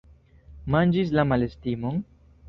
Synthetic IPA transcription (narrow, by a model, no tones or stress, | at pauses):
mand͡ʒis̬lamale̞stimo̞n